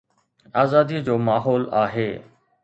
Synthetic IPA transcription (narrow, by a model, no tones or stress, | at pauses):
aːzaːd̪id͡ʑoːmaːɦɔːlaːɦeː